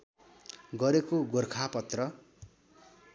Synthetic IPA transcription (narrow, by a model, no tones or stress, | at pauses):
ɡʌɾekoɡorkʰapʌt̪rʌ